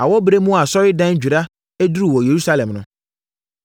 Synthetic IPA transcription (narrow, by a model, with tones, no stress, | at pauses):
a˨wɔ˦bɾe˦mũ˦a˨sɔ˦ɾɪ˦dã˦n˦d͡ʑᶣu˨ɾa˦ | e˦du˦ɾu˨wɔ˨je˨ɾu˦sa˦lɛ̃˨mnʊ̃˦